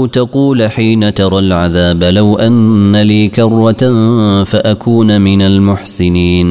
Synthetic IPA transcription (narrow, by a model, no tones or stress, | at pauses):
wt̪ɑquːlħiːnat̪ɑɾˤɑlʕaðaːblawʔanːaliːkɑrˤːɑ | faʔakʰuːnmɪnalmʊħsɪniːn